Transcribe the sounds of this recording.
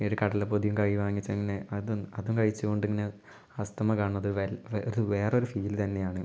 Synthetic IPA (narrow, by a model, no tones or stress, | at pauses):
oɾukɐɽɐlepoðijumkɐɻiʋaːŋːit͡ɕːɐeŋːɐne̞ɐðuɐðumkɐɻit͡ɕːuɣo̞ɳɖeŋːɐne̞ | ɐst̪ɐmɐkaːɳːɐðɨʋɐlʋðɨʋe̞ːro̞ɾufiːlt̪ɐnːe̞jaːɳɨ